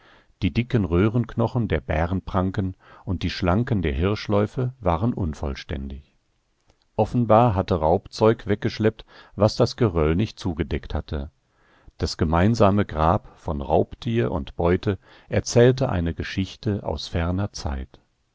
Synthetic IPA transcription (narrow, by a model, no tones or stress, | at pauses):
d̥iːdɪkənʁøːʁənknɔχn̩deːɐbɛːʁənpʁ̥aŋkənʔʊnt̚d̥iːʃlaŋkəndeːɐɦɪɐʃlɔʏfəvaːʁənʔʊnfɔ̰lʃtɛ̰ndɪç | ʔɔfn̩baːɐɦatəʁaʊpt͡sɔʏkvɛk̚ɡ̥əʃlɛp̚tvasd̥asɡ̥əʁœlnɪçt̚t͡suːɡədɛkthatʰə | d̥asɡ̥əmaɪnzaːməɡʁaːpfɔnʁa̰ʊptʰiːɐʔʊ̰ntb̥ɔʏtə | ʔɛɐt͡sɛːltəʔa̰ɪnəɡəʃɪçtəʔa̰ʊsfɛɐnɐt͡sa̰ɪt